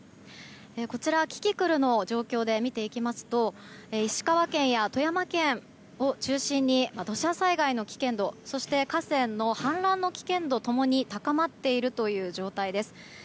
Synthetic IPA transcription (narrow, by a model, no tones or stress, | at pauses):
e̞ko̞t͡ɕiɾakʲi̥kʲikɯ̟ɾɯ̟no̞d͡ʑo̞ːkʲo̞ːd̪e̞mʲit̪e̞ikʲimasɨ̥t̪o̞ | eiɕi̥kaβakẽ̞ɰ̃jat̪o̞jamakẽ̞ɰ | o̞t͡ɕɨːɕĩɲ̟ːimad̪o̞ɕasaiɡaino̞kʲi̥kẽ̞nd̪o̞so̞ɕi̥t̪e̞kasẽ̞nːo̞hãnɾãnːo̞kʲi̥kẽ̞nd̪o̞t̪o̞mo̞ɲ̟it̪akamat̪ːe̞iɾɯ̟t̪o̞jɯ̟ːd͡ʑo̞ːt̪aid̪e̞sɨ̥